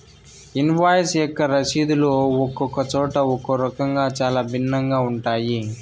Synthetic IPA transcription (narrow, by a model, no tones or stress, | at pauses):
inʋaːjsɛkːɐɾɐʃiːd̪uloːɔkːɔkɐt͡ʃɔːʈɐɔkoɾɐkɐŋɡaːt͡ʃaːlaːbʱinːɐŋɡaːuɳʈaːji